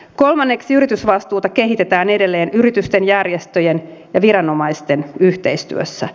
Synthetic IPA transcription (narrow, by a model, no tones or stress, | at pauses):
ko̞lmɑnːe̞ksiyɾit̪ysʋɑst̪uːt̪ɑke̞ɦit̪e̞t̪æːne̞de̞lːe̞ːnyɾit̪yst̪e̞njærjest̪øjenjɑʋiɾɑno̞mɑjst̪e̞nyht̪e̞jst̪y̰øsːæ